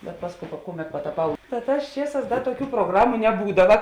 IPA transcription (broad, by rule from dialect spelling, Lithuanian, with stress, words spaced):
bʲɛt ˈpɑːsˌkoːʊ pɐ ˈkʊˌmʲɛt pɐtɐˈpɐʊ tɐ ˈtɑːs ˈt͡ʃʲiɛˌsɑːs ˈdɐ tuɔˈkʲuː proːˈɡrɑːmʊ nʲɛˈbuːdɐʋɐ